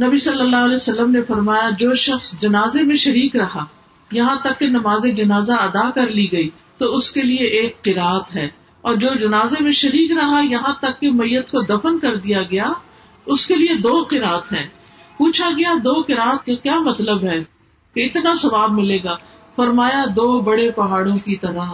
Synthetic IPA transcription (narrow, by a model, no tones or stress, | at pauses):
nɐbisɐlːəlːaɦɐlɛsɐlːəmnefɐɾmaːjad͡ʒoːʃɐxsd͡ʒɐnaːzemẽʃɐɾiːkɾɐɦa | jɐɦãt̪ɐkːenɐmaːzed͡ʒɐnaːzaɐd̪akɐɾliɡɐi | t̪oʊskelieʔeːkqɪɾaːət̪ɦɛː | ɔːɾd͡ʒoːd͡ʒɐnaːzemẽʃɐɾiːkɾɐɦajɐɦãt̪ɐkːemɐjːət̪kod̪ɐfənkɐɾd̪ijaɡɐja | ʊskelied̪oːqɪɾaːət̪ɦɛ̃ː | puːt͡ʃʰaɡɐjad̪oːqɪɾaːət̪̚kakjaːmɐt̪ləbɦɛː | keɪt̪nasɐʋaːbmɪleːɡaː | fɐɾmaːjad̪oːbɐɽepɐɦaːɽõkit̪ɐɾaɦ